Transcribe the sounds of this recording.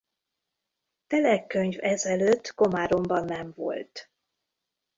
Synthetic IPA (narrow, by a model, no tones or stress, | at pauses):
t̪ɛlɛkːøɲvɛzɛløt̪ːɡo̞maːɾo̞mbɒnːɛɱvo̞̰lt̪